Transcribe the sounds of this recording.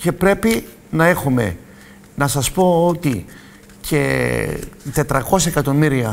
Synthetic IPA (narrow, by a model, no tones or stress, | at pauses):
ce̞pɾe̞pi | nɐe̞xume̞̰ | nɐsɐspo̞ot̪i | cʰe̞ | t̪e̞t̪ɾɐko̞sɐekɐt̪o̞miɾiɐ